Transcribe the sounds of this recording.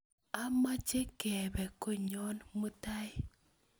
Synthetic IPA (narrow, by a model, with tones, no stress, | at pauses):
a˦ma˦t͡ʃe˦kɛ˨bɛ˨ko˦ɲɔ˦nmu˦ta˦ɪ˦